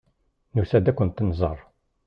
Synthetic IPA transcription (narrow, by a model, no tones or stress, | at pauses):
nusæd̪ækʷːʊnt̪ːnzˤərˤ